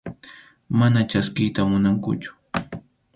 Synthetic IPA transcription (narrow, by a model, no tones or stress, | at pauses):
manat͡ʃaskɪjt̪amʊnaŋkʊ̰t͡ʃʊ̥